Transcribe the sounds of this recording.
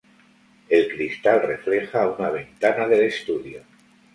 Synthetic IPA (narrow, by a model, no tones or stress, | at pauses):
e̞lkɾist̪alre̞fle̞xaunaβ̞e̞nt̪anaðe̞lest̪uðjo